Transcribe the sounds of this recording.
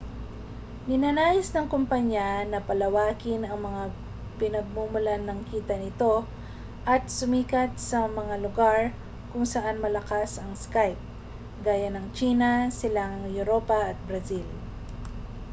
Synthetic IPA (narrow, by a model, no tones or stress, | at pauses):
nɪnanaːjɪsnɐŋkʊmpɐɲjanɐpɐlɐwaːkɪnɐŋmɐŋa | pɪnɐɡ̚mumʊlanːɐŋkiːt̪ɐnɪt̪o̞ | ʔɐt̪̚sʊmiːkɐt̪̚sɐmɐŋalʊɡaɹ | kʊŋsɐʔanmɐlɐkasɐŋskajp̚ | ɡaːjanɐŋt͡ʃiːnɐsɪlaŋjʊɾo̞ːpɐʔːt̪̚bɾɐsil